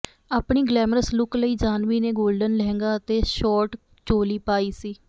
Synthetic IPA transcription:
aːpɳiːɡlɛːmɾəslʊkləiːd͡ʒaːnʋiːneːɡoːlɖənlɛːŋɡaːət̪eːʃɔːɾʈ | t͡ʃoːliːpaːiːsiː

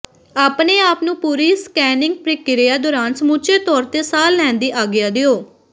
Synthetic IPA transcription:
aːpneːaːpnũːpuːɾiːskɛːnɪ̃ŋɡ̚pɾɪkːɪɾɪjaːd̪ɔːɾãːnsmuːt͡ʃeːt̪ɔːɾt̪eːsaːlːɛ̃ːnd̪iːʔaːɡɪjaːd̪eːoː

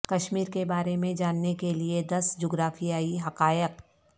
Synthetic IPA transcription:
kɐʃmiːɾkebaːɾemẽd͡ʒaːnːekelied̪ɐsd͡ʒoːɡɾaːfʰijaːiɦɐqaːjəq

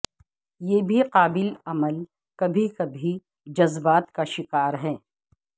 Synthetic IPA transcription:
jeːbʱiqaːbɪlɐməl | kɐbʱikabʱi | d͡ʒɐzbaːt̪kaʃɪkaːɾɦɛ̃ː

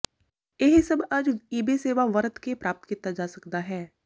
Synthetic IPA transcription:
jeɦisɐbɐd͡ʒiːbeseːʋaʋɐɾət̪kepɾaːp̚t̪kiːt̪ad͡ʒaːsɐkd̪aɦɛː

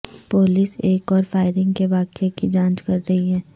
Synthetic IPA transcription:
poːlɪseːkɔːɾfaːɪɾɪ̃ŋɡkeʋaːkekid͡ʒãːt͡ʃkɐɾːɐɦiɦɛ̃ː

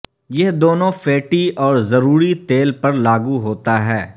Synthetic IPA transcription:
jeɦd̪oːnõfeːʈiɔːɾzɐɾuːɾit̪eːlpɐɾlaːɡuɦoːt̪aɦɛː

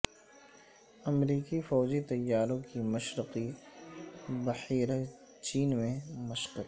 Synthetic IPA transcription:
ɐmɾiːkifɔːd͡ʒit̪ɐjːaːɾõkimɐʃɾɪqi | bɐħiːɾə | t͡ʃiːnmẽmɐʃqək

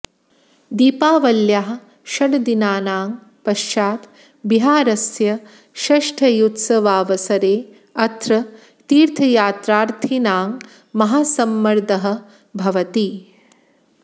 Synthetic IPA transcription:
d̪iːpaːʋɐljaɦɐ̆ | ʃɐɽd̪inaːnaːŋ | pɐʃt͡ʃaːt̪ | biɦaːɾɐsjɐ | ʃɐʂʈʰɐjut̪sɐʋaːʋɐsɐɾeː | ɐt̪ɾɐ | t̪iːɾt̪ʰɐjaːt̪ɾaːɾt̪ʰinaːŋ | mɐɦaːsɐmːɐɾd̪ɐɦɐ̆ | bʱɐʋɐt̪i

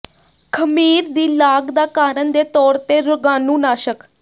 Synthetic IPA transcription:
kʰəmiːɾd̪iːlaːɡd̪aːkaːɾənd̪eːt̪ɔːɽt̪eːɾʊɡãːnũːnaːʃək

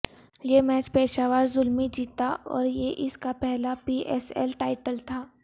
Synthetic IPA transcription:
jemɛːt͡ʃpeːʃaːʋaːɾzʊlmid͡ʒiːt̪aʔɔ̰ːɾjeʔɪskapɛɦlapiːʔɛ̰sɛ̰lʈaːɪʈəlt̪ʰaː

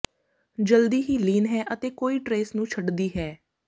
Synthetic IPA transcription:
d͡ʒəld̪iːɦiːliːnɦɛːʔət̪eːkoːiːʈɾeːsnũːt͡ʃʰəɖd̪iːɦɛː

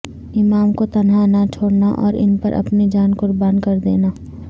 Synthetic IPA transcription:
ɪmaːmkot̪ɐnɦanat͡ʃʰoːɽnaʔɔ̰ːɾɪ̰npɐɾʔɐ̰pnid͡ʒaːnkʊɾbaːnkɐɾd̪ḛːnaː

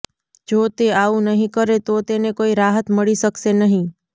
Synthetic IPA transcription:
d͡ʒoːt̪eaũnəɦĩkəɾet̪ot̪enekoːiɾaɦət̪məɭisəksenəɦĩ

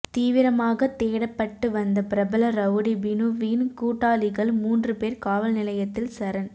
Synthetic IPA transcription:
t̪iːʋɪɾɐmaːɣɐt̪eːɽɐpːɐʈːɯʋɐnd̪ɐpɪɾɐbɐlɐɾɐʋɯɽibɪnuʋiːnkuːʈːaːlɪɣɐɭmuːndrɯpeːɾkaːʋɐlnɪlɐjɐt̪ːɪlsɐɾɐn

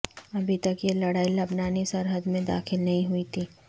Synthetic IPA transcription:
ɐbʱit̪ɐkjelɐɽaːilɐbnaːnisɐɾɦəd̪mẽd̪a̰ːxɪlnɐɦĩɦuit̪ʰiː

